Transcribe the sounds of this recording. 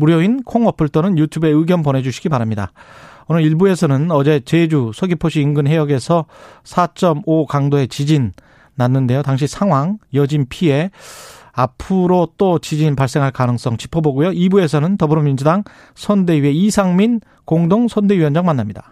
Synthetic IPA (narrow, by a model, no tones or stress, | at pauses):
muɾjʌinkʰoŋʌpʰɯɭt͈onɯnjutʰube̞ɯɡjʌnpʌne̞d͡ʑuɕʰi̥ɡibaɾamɲida̰ʌnɯiɭbue̞sʰʌnɯnʌd͡ʑe̞t͡ɕe̞d͡ʑusʰʌɡipʰoɕʰiːnɡɯnɦe̞jʌɡe̞sʰʌsʰat͡ɕ͈ʌmokaŋdoe̞t͡ɕid͡ʑinː | anːɯnde̞jotaŋɕ̬ʰisʰaŋwaŋjʌd͡ʑinpʰie̞ | apʰɯɾot͈ot͡ɕid͡ʑinpaɭs͈e̞ŋɦaɭkanɯŋs͈ʌŋt͡ɕi̥pʰʌboɡujoibue̞sʰʌnɯntʌbɯɾomind͡ʑudaŋ | sʰʌnde̞ɥie̞isʰaŋmin | koŋdoŋsʰʌnde̞ɥiwʌnd͡ʑaŋmanːamɲida